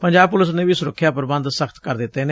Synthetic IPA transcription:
pəɲd͡ʒaːb̚pʊləs̬nẽːʋiːsʊɾəkʰːjaːpəɾbə̃nd̪səkʰt̪kəɾd̪ɪt̪ːeːneː

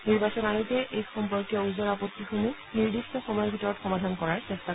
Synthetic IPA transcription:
niɹbasɔnaɹutɛʔejxɔmpɔɹkijɔuzɔɹapot̪ːixumu | niɹdistɔxɔmɔjɔbʱitɔɹɔtxɔmadʱankɔɹaɹsɛstʰa

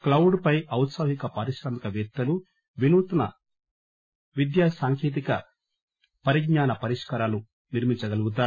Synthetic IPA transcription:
klɐwuɖpɐjʔɐwt̪sɐɦikɐpaːɾiʃɾɐmikɐʋɛɾt̪ːɐlu | ʋinuːt̪unɐ̰ | ʋid̪jaːsaːŋkʰeːt̪̬ikɐ | pɐɾiɡɲaːnɐpɐɾiʂkɐɾaːlu | niɾmiɲt͡ʃɐɡɐluɡut̪̬aː

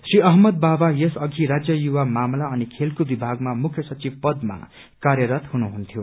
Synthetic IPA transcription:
sriʌɦmʌd̪̚babajʌsʌɡʱiɾad͡zjʌjuwamamlaʌnikʰelkobibʱaɡmamukʰjʌsʌt͡sibpʌd̪ma̰ | kaɾjʌɾʌt̪hunuɦunt̪ʰjo

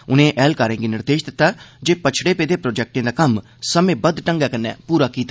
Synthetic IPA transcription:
ʊnẽːʔɛːlkaːɾẽːɡinɪɾd̪eːʃd̪ɪt̪ːaːd͡ʒeːpət͡ʃʰɽeːpeːd̪eːpɾoːd͡ʒɛːk̚ʈẽːd̪aːkəm | səmẽːbəd̪ʈəŋɡɛːkənːɛ̰ːpuːɾaːkiːt̪a

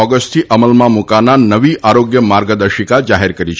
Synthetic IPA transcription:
ɔɡəsʈt̪ʰiʔəməlmãmukananəʋiʔaɾoɡjəmaɾɡəd̪əɾʃikad͡ʒaɦeɾkəɾit͡ʃʰ

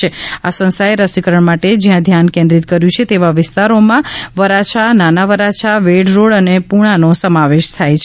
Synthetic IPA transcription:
easə̃st̪ʰaeɾəsikəɾəɳmaʈed͡ʒjãd̪ʱjankẽnd̪ɾit̪kəɾjũt͡ʃʰet̪eʋaʋɪst̪aɾomãʋəɾat͡ʃʰananaʋəɾat͡ʃʰaʋeɖɾoɭənepuɽ̃anosəmaʋeʃt̪ʰajt͡ʃʰ

